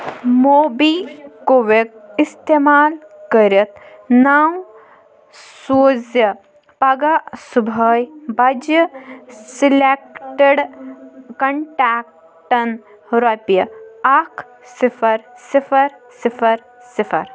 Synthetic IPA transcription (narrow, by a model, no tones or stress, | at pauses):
moːbikoʋek̚ist̪eːmaːlkəɾɐt̪naːw | suːzjɐ | pɐɡasubʱəːjbɐd͡ʒjɐsilekʈeɖ | kɐɳʈaːk̚ | ʈɐn | ɾɐpjɐakʰ | sifʰɐɾsifʰɐɾ | sifʰɐɾ | sipʰɐɾ